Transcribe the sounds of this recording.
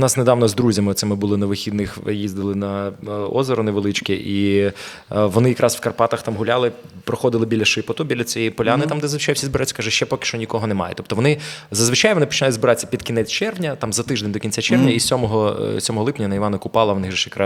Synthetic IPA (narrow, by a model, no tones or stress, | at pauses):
nɑsned̪ɑʋnɔzd̪ɾuzʲɐmɪɔt̪sɛmɪbʊlˠɪnɐʋɪxʲid̪nɪxjizʲd̪ɪlˠɪnɐɔ̰zɐɾɔnɛʋelˠɪt͡ʃkɪʔi | ʋɔnɪjɐkɾʔɑsfkɐrpɑt̪ɐxt̪ɑmɦʊlʲalˠɪ | pɾɔxɔd̪ɪlˠɪbʲilʲɐʃɪpɔt̪ɔbʲilʲɐt͡sʲɔjijpɔlʲanɪt̪ɑmd̪ɛzzʋɪt͡ʃajʊsʲizbɪɾajʲt͡sʲːɐ̥kɑʒɛʃt͡ʃɛpɔkɪ̥ʃt͡ʃɔnʲikɔɦɔnɛmɑ̰jɛ̰t̪ɔp̚t̪ɔʋɔnɪzɐzʋɪt͡ʃajʋɔnɪpɔ̥t͡ʃɪnɑjʊdzbɪɾɑt͡sʲːɐ̥pʲid̪kʲiɪnɛt͡sʲt͡ʃɛrʋwnʲɐt̪ɑmzɐt̪ɪʒd̪enʲd̪ɔkʲinʲt͡sʲat͡ʃɛrʋnʲɐisʲɔmɔɦɔsʲɔmɔɦɔlˠɪpnʲɐnɐiʋɑnɐkʊpɑlˠɐʋɔnɪɣʒɛʃjɐkɾɑ